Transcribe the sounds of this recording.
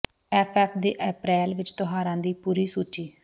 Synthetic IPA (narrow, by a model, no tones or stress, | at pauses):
ɛːpʰɛːpʰd̪eːʔɛːpɾɛːlʋɪt͡ʃt̪ʊɦaːɾãːd̪iːpuːɾiːsuːt͡ʃiː